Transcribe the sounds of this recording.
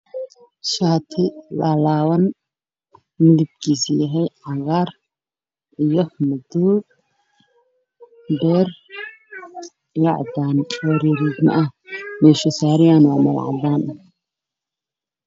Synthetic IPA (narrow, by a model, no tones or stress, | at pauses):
ʃaːt̪ʰɪlalaːwɐn | mɪlɪb̪̚kʰiːsjɐɦɛjʕɑɣar | ʔijɔmɐd̪uːd | bɛːr | jɑʕd̪aːnwɐɾiːɾiːɡ̪nɐ̰ʔɐhmɛʃɪsaːɾɪjaːnwaːmɐl̰ʕɑ̰d̪aːnɐ